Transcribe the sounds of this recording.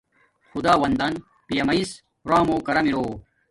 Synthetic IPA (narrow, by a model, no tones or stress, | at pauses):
xud̪aːwɐnd̪ɐn | pijɐmɐis | ɾaːmoːkɐɾɐmiɽoː